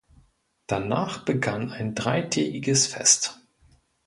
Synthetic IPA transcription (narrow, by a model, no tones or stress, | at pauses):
d̥anaːχb̥əɡanaɪndʁaɪtʰɛːɡɪɡəsfɛ̰st